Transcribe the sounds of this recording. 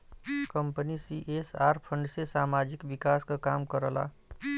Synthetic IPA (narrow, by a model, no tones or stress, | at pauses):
kʌmpənisiʔesaɾpʰʌɳɖsesamad͡zikbikaskokamkʌɾʌla̰